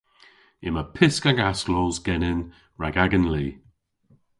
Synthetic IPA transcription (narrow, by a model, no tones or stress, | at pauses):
ɪməpʰɪskaɡaslɔːzɡɛnɪn | ɹaɡaɡənliː